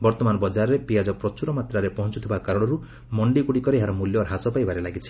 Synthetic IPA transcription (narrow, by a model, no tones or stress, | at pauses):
bɔɾt̪ɔmanɔbɔd͡ʒaɾɔɾepijad͡ʒɔpɾɔt͡ʃuɾɔmat̪ɾaɾepɔɦɔ̃nt͡ʃut̪ʰibakaɾɔɽ̃ɔɾu | mɔɳɖikuɽikɔɾeeɦaɾɔmuljɔɦasɔpajbaɾelaɡit͡ʃʰi̥